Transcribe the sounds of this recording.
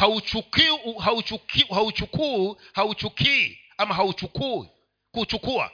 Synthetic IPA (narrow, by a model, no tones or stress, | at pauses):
haut͡ʃukiɦaut͡ʃukihaut͡ʃukuihaut͡ʃukʰiḭ | amaɦaut͡ʃukuḭ | kut͡ʃukua̰